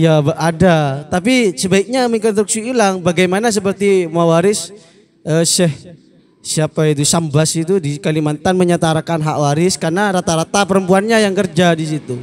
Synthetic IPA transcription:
jabaʔadat̪apisəbaik̚ɲamiŋkɔt̪ɾuk̚siilaŋbaɡajmanas̬əpərt̪imawaɾɪs | ʔəːsɛh | siapait̪usambasit̪udiskalimant̪anməɲat̪aɾakanɦaʔwaɾɪskarnaɾat̪aɾat̪apəɾəmpuanɲajaŋkərd͡ʒadis̬it̪u

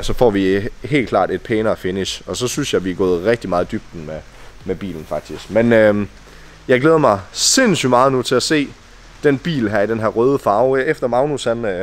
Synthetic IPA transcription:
sɒ̽fɒ̰ːʋihe̝̰ːlkʰlɑ̰̈ːd̥e̝d̥̚pʰeːnɐɒfe̝niɕɒ̽sɒ̽synsjɑ̈ɪʋiæɡ̥ɔ̽ːð̞̩ˠʁɛɡ̥̚d̥imɑ̈ːð̞̩ˠd̥yb̥̚d̥n̩me | meb̥ḭːln̩fɑ̈ɡ̥̚d̥isɡ̥menø | jɑ̈ɪɡ̥leːð̞ˠɐmɑ̈ɪse̝nsymɑ̈ːð̞̩ˠnut͡sʰe̝æse̝̰ː | d̥enb̥ḭːlɦæɐ̰id̥enɦæɐ̰ʁœːð̞ˠəfɑ̈ʊefd̥ɐmɑ̈ʊnushæn

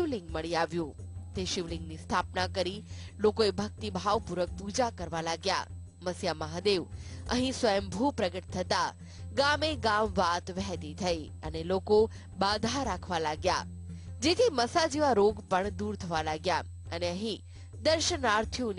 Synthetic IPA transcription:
ʋliŋɡməɭiaʋjũt̪eʃiʋlɪ̃ŋɡnist̪ʰapnakəɾilokoebʱək̚t̪ibʱaʋpuɾək̚pud͡ʒakəɾʋalaɡja̰ | məsjaməɦad̪eʋə̰ɦĩsʋəjəmbʱupɾəɡəʈ̚t̪ʰət̪a | ɡameɡamʋat̪ʋɛɦɛt̪it̪ʰəi | əneloko | bad̪ʱaɾakʰʋalaɡja̰ | d͡ʒet̪ʰiməsad͡ʒiʋaɾoɡpəɳd̪uɾt̪ʰəʋalaɡja | əneəɦĩ | d̪əɾʃənaɾt̪ʰijun

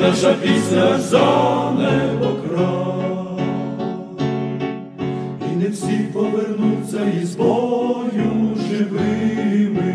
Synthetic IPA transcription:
ɐʂɐpʲisɐzanɛbɔkɾa | inɛfsʲipɔʋɛrnut͡sʲːɐizbɔjuʐɪʋɪmɪ

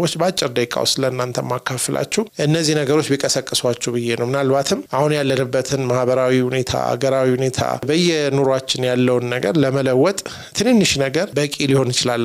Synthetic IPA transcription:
wot͡ʃːbat͡ʃʼːɪɾd̪əjkʼa̰wsɨləɨnːant̪ʰə̰mːakʰːafɨlʔa̰t͡ʃːɛwʔɨnːəzːihnəɡəɾo̞t͡ʃːbikʼəsəkʼːɨswat͡ʃːɛwbɨjːenəwmɨnalbat̪ʰɨmːʔahunjalːənɨbːət̪ʰɨnmahbəɾawihune̞t̪ʰa̰a̰ɡəɾawihune̞t̪ʰa̰bəjɛnuɾoat͡ʃːɪnjalːəwnːəɡəɾləmələwːɔt̪ʼ | t̪ʰɨnhɨnːɨʃnəɡəɾbəkʼiliho̞njɪt͡ʃɪlalːə

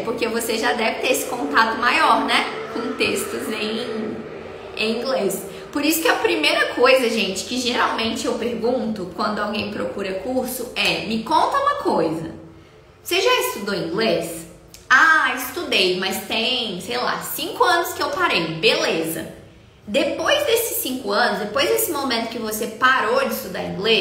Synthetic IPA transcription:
poɾkevoseʒad̪ɛvɪt̪eɾesɪ̥kõnt̪at̪ʊmajɔɾnɛkõt̪est̪ʊzẽj̃ | ẽj̃ĩɡles | poɾisʊ̥kɪɐpɾimejɾɐkʰojzɐʒẽnt͡ʃɪ̥kɪʒeɾawmẽnt͡ʃɪewpeɾɡũt̪ʊkwɐ̃nd̪ʊawɡẽj̃pɾokuɾɐkuɾsʊɛmɪkõnt̪ɐũmɐkʰojzɐ̰ | seʒaɪst̪ud̪oĩŋɡles | aɪst̪ud̪ejmɐst̪ẽj̃sejla̰sĩŋkʊɐ̃nʊskɪewpaɾejbelezɐ̰ | d̪epojzd̪esɪ̥sĩkʊɐ̃nʊzd̪epojzd̪esɪmomẽnt̪ʊkɪvosepaɾod͡ʒɪist̪ud̪a̰ɾĩŋɡle

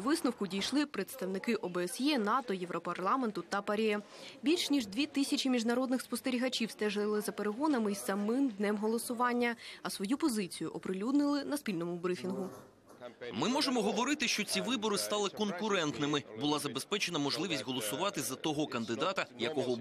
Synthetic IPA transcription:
ʋɪsnʊwkʊdʲijʃlˠɪpɾe̞t̪st̪ɐwnɪkɪʔɔbeːsjɛnɑt̪ɔjɛʋɾɔpɐrlˠɑment̪ʊt̪ɐpɐɾʲɛ | bʲilʲʃnʲiʒd̪ʲʋʲit̪ɪsʲɐt͡ʃimʲiʒnɐɾɔd̪nɪxspɔst̪eɾʲiɦɐt͡ʃʲiwst̪ɛʒlˠɪzɐpeɾeɦɔnɐmɪjsɐmɪmd̪nɛmɦɔlˠɔsʊʋɑnʲːɐɐsʋɔjupɔzɪt͡sʲijʊʔɔpɾɪlʲud̪nɪlˠɪnɐspʲilʲnɔmʊbɾɪfʲinɦʊ | mɪmɔʒemɔɦɔʋɔɾɪt̪ɪʃt͡ʃɔt͡sʲiʋɪbɔɾɪst̪ɑlˠɪkɔnkʊɾɛnt̪nɪmɪbʊlˠɑzɐbespɛt͡ʃenɐmɔʒlˠɪʋʲisʲtʲɦɔlˠɔsʊʋɑt̪ɪzɐt̪ɔɦɔkɐnd̪ɪd̪ɑt̪ɐjɐkɔɦɔ

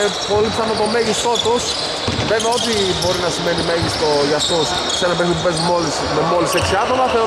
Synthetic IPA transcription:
po̞lipsɐnot̪o̞meʝist̪o̞t̪os | veveɐot̪ibo̞ɾinɐsimenimeʝist̪o̞ʝɐst̪os | senɐpeɾisopupezmo̞lis | memo̞liseksiɐt̪o̞mɐθe

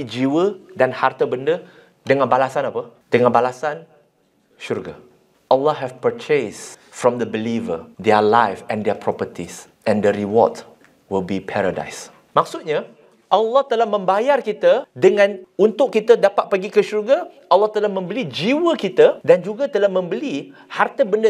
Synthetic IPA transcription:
id͡ʒiwədanhart̪əbəndə | dəŋãnbalasanapəd̥əŋãnbalasan | ʃurɡa̰ | ʔəlːɔɦɛfpət͡ʃesfɹɔ̃md̪əbilivə̰dɛəlajfɛ̃ndɛpʰɹɔpət̪is | ʔɛ̃ndəɾiwɔ̰d | wilbipʰɛɾada̰js | mak̚sut̪̚ɲa | ʔalːɔht̪əlahmə̃mbajarkit̪ədəŋãnunt̪ʊʔkit̪ədapat̪̚paɡikəʃurɡa | ʔalːɔht̪əlamə̃mbəlid͡ʒiwəkit̪ədand͡ʒuɡat̪əlahmə̃mbəlihart̪əbəndə

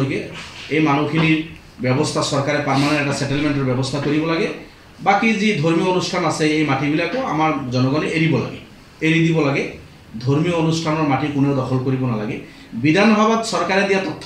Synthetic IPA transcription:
ikeejmanukʰiniɹ | bjɛbɔst̪ʰasɔɹkaɾɛpamanɔɛʈasɛʈelmeɳʈ̬ɔɹbjɛbɔst̪ʰakoɹibɔlaɡɛ | bakizid̪ʱoɹmijoonusʈʰanaseejmaʈibilakɔa̰maɹzɔnɔɡɔneʔeɾibɔla̰ɡɛ̰ | eɾid̪ibɔlaɡɛ | d̪ʱoɹmioonusʈʰanɔɹmaʈikuneʊd̪ɔxʰɔlkoɹibɔnala̰ɡɛ | bid̪ʱanɔɦɔbad̪sɔɹkaɾed̪ijat̪ɔt̪ʰː

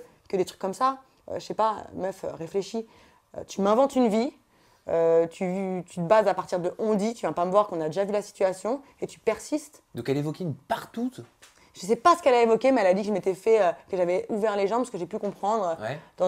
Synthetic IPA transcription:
kəd̪et̪χy̥kːɔmsa | ø̰ʃəʃɛpa̰mœfø̰ʁefleʃi | ø̰t̪ymɛ̃vɑ̃t̪ynvi | øt̪ʰyvt̪yt̪əbazapaʁt̪iʁd̪əʔɔ̃d̪it̪yvjɛ̃paməvwaʁkɔ̃nad̪eʒavylasi̥t̪yasjɔ̃ | et̪y̥pɛʁsist̪ | d̪ɔ̃kɛlevɔkʲenpaʁt̪ut̪ | ʒ̥əs̬ɛpasə̥kɛlaevɔkʲemɛɛlad̪ikʒəmet̪ɛfɛøkəʒavɛuvɛʁleʒɑ̃pasəkəʒepykɔ̃pχɑ̃d̪ʁøɛd̪ɑ̃

